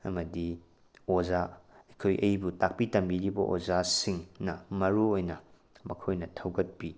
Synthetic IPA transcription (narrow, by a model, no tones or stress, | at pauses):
ɐ̰mɐdi | ozaɐjkʰojʔɐjbutak̚pitɐmbiɾibɐʔozasiŋnɐmɐɾuojnɐ | mɐkʰojnɐtʰɐwɡɐt̚pi